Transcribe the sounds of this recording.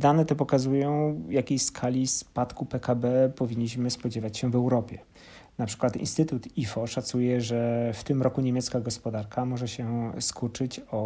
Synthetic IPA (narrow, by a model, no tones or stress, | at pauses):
d̪anɛt̪ɛpɔkazujɔ̃w̃jakʲejskʰalʲispat̪kupɛkabɛpɔvʲiɲːiɕmɘspɔd͡ʑɛvat͡ɕɕɛvɛwɾɔpʲjɛ | napʂɘ̥kwat̪ḭnst̪ɘt̪ut̪ifɔʂat̪sujɛʐɛft̪ɘmɾɔkuɲemʲjɛt̪skaɡɔspɔd̪aɾkʰamɔʐɛɕɛskut͡ʂɘt͡ɕɔ